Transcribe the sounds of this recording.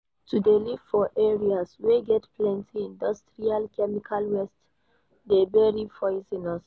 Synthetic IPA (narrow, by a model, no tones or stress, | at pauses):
tudeliv̥fɔʔɛɹiasweɡɛtpʰlɛ̃ntʰiĩndɔstɹialkʰɛmikʰalwɛst | debɛɹifɔɪsĩnɔs